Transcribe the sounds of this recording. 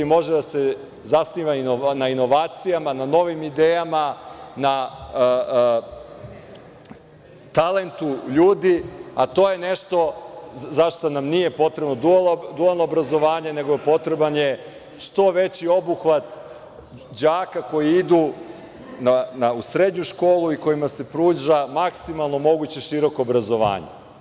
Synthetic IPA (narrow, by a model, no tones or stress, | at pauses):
mo̞ʒed̪ase | zasniːʋainonaino̞ʋaːt̪sijamanano̞ʋimid̪eːjamana | t̪ale̞nt̪uʎuːd̪iat̪o̞ːje̞neʃt̪o̞zaʃt̪onamnije̞po̞t̪ɾe̞bno̞d̪uad̪ualˠnoobɾazo̞ʋaːɲe̞ne̞ɡoepo̞t̪ɾe̞banje̞ | ʃt̪o̞ʋe̞t͡ɕio̞buxʋat̪ | d͡ʑaːkako̞jiid̪u | nanausɾe̞d̪ɲuʃko̞ːluiko̞jimase̞pɾuːʒamaksimalˠno̞mo̞ɡut͡ɕe̞ʃiɾo̞koːbɾazo̞ʋa̰ːɲḛ